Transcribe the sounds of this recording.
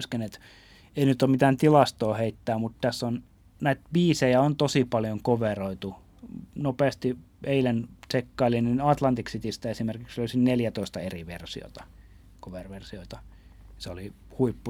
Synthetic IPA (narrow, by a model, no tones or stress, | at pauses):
skenet̪ | einyt̪ːˑomit̪æːnt̪ilɑst̪oːheit̪ːæːmut̪t̪æsːon | næit̪̚biːsejæont̪osipɑljoŋkoʋeroit̪u | nopeˑːst̪i | eilensekːɑilininɑt̪lɑnt̪iksit̪ist̪æesimerkiksøˑlisinneljæt̪oist̪ɑeriʋḛrsio̰t̪ɑ | koʋerʋersioit̪ɑ | seoli | huipːu